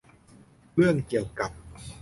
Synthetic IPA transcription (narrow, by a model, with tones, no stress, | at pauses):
ɯ˥˩əŋki˨˩əwka˨˩p̚